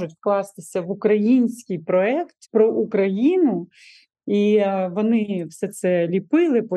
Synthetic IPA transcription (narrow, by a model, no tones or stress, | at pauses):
ʒʊtʲfklˠɑst̪ɪsʲɐʋʊkɾɐjinʲsʲkʲɪjpɾɔɛkt̪pɾɔʔukɾɐjinʊ | iʋɔnɪwsɛt̪sɛlʲipɪlˠɪpɔ